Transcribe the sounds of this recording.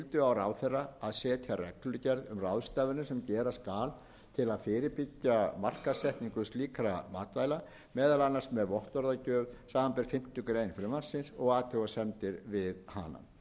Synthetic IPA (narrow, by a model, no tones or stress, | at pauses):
lt̪ʏawrawfɛrːaaðsɛːt̪ʰjarɛkllʏcɛɾðʏmrawðst̪aːvɪnʏsɛmcɛːɾaskaːl | t̪ʰɪlaðfɪːɾɪpɪcːamar̥kasɛht̪niŋkʏst̪liːkʰaɾamaːt̪vajla | mɛːðalanːarsmɛðvɔht̪ɔɾðacœːɣsaːmanpɛɾ̥fɪm̥t̪ʏkɾeːjnfɾʏmansɪnsɔɣaːt̪ʰɛɣasɛnt̪ɪɾvɪðha̰na̰m